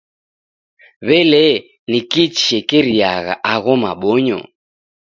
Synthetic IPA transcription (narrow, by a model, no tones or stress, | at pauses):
βɛlɛ | nikit͡ʃi̥ɛkɛɾiaɣa̰ʔaɣɔmaɓɔɲɔ̰